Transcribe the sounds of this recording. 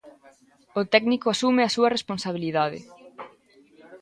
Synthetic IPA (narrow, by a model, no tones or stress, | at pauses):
ʊt̪ɛknikʊasumɪasuɐresponsaβ̞iliðað̞ɪ̰